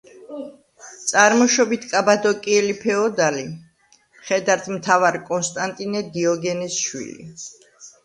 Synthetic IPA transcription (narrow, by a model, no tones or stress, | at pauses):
t̪sʼaɾmɔʃɔbit̪ʰkʼabad̪ɔkʼiɛlipʰɛɔd̪ali | mχɛd̪aɾt̪ʰmt̪ʰavaɾkʼɔnst̪ʼant̪ʼinɛd̪iɔɡɛnɛsʃwḭlḭ